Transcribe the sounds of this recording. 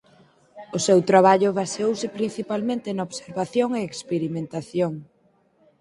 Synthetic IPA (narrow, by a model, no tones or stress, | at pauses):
ʊsewt̪ɾaβaʎʊβasowsɪpɾin̟θipalmẽnt̪ɪnaoβseɾβaθjoŋeːkspeɾimẽnt̪aθjoŋ